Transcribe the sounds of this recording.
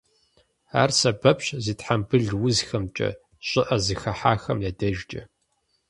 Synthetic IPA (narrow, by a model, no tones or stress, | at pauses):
a̰ːrsɐbɐpɕziːtħambɨɮwʊzxɐmt͡ʃʼɐ̰ | ɕʷʼɪʔɐzɨxɐħaːxɐmjɐdɐʒd͡ʒʼɐ